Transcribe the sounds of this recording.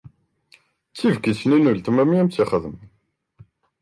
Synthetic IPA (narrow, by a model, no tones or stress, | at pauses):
t͡sːivɡisninult̪əmæmijæmt͡sːiχəðəm